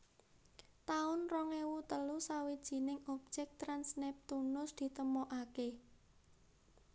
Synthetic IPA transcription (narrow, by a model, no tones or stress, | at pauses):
t̪aʊnrɔŋewut̪əlusawid̥ʒ̥i̤nɪŋɔp̚d̥ʒ̥ɛk̚t̪ɾansnɛp̚t̪unʊsd̪̥i̤t̪əmoʔake